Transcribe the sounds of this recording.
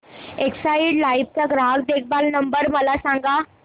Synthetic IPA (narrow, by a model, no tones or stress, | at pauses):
eksaiɽlaip̚t͡ɕaɡɾaɦak̚d̪ek̚ʰbalnəmbəɾməlasãŋɡa